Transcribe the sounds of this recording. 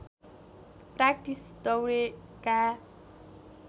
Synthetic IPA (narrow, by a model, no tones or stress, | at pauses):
prak̚ʈisd̪ʌwɾeka